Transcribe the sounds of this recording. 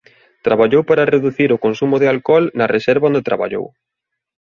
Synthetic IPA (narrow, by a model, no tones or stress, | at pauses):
t̪ɾaβaʎowpaɾɐreðuθiɾʊkonsumʊðɪalkɔlnɐrʔesɛɾβaond̪et̪ɾaβa̰ʎo̰w